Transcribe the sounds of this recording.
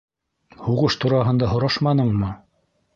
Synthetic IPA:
huʁɤʃt̪uɾɑɦɤ̆nd̪ɑɦŏɾɑʃmɑnɤɴmɤ

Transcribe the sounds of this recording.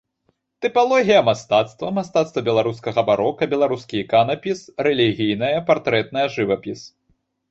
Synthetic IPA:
t̪ɨpalˠɔɣʲijɐmast̪at̪st̪vɐmast̪at̪st̪vɐbʲɛlˠaɾus̬kɐɣɐbaɾɔkɐbʲɛlˠaɾuskʲiikanɐpʲisɾɛlʲiɣʲijnɐjɐpart̪ɾɛt̪̚nɐjɐʐɨvɐpʲis

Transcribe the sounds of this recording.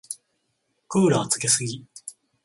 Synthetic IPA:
kɯːɾaat͡sɨ̥ke̞sɨɡʲi

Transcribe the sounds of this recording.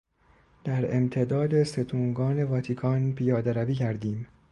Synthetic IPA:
d̪̥æɾe̞mt̪ʰe̞d̪ɒːd̪ese̞t̪ʰuːŋɡɒːne̞vɒːt̪ʰiːkʰɒːnpʰijɒːd̪æɾæbiːcʰæɾd̪iːm

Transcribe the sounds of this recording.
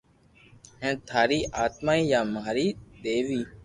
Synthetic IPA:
ɦɛ̃ːt̪ʰaːɾiːʔaːt̪maːiːjaːmaːɾiːd̪eːʋiː

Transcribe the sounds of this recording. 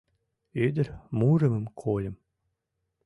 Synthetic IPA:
ed̪ʲɘ̆ɾʲmuɾɘ̆mɘ̆mkʰolʲɘ̆m

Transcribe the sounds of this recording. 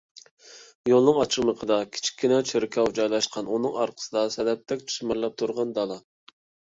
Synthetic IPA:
jolˠnɨŋɑt͡ʃʰəχməqʰəd̪ɑkʲʰi̥t͡ʃʰi̥kʲːinɛt͡ʃʰeɾɪkʰʲɑwd͡ʒɑjlˠɑʃqʰɑnunɨŋɑ̰ɾqʰə̥səd̪ɑsɛd̪ɛp̚t̪ʰɛkʲt͡ʃʰy̥ʃmɪɾlˠɛp̚t̪ʰuɾʁɑnd̪ɑlˠɑ

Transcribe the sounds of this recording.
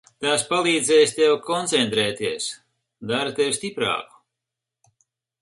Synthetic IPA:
t̪aspalˠiːd̪zʲɛːjst̪ɛwkɔnt̪sɛnt̪ɾɛːt̪iɛs | d̪aɾɨt̪ewsʲt̪ʲipɾa̰ːku̥

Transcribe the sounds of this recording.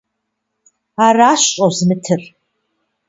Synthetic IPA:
araʃt͡ʃʼowzmɨtʰɨr

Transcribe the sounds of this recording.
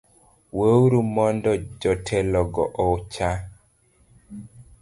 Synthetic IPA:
wəwɾumɔndɔd͡ʒɔtʰɛlɔɡɔʔɔt͡ʃa

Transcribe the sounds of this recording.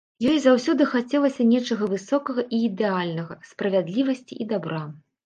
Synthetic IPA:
jɔjzawsʲɔd̪ɨxat͡sʲɛlˠɐsʲɐnʲɛt͡ʂɐɣɐvɨsɔkɐɣɐʔiːd̪ɛalʲnɐɣɐspɾɐvʲad̪lʲivɐsʲt͡sʲḭʔid̪abɾa

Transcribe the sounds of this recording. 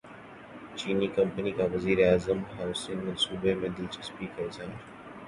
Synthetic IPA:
t͡ʃiːniːkɐmpɐniːkaːwɐziːɾeaːzɐmɦawsinmɐnsuːbeːmed̪ilt͡ʃɪspiːkɐzaː

